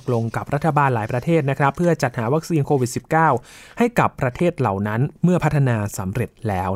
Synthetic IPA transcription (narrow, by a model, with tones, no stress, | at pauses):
k̚lo˧ŋka˨˩p̚ɾa˦˥t̪ʰːa˧baː˧nlaː˩˦jpɾa˧t̪ʰeː˥˩t̪̚na˦˥kʰɾa˦˥pʰːɯ˥˩ɐt͡ɕa˨˩t̪̚haː˩˦wa˦˥k̚siː˧nkʰoː˧wi˨˩si˨˩p̚kaː˥˩w | ha˥˩jka˨˩pːɾa˧t̪ʰeː˥˩t̪̚la˨˩wna˦˥nmɯ˥˩ɐpʰa˦˥t̪ʰːa˧naː˧sa˩˦mɾe˨˩t̪̚lɛː˦˥w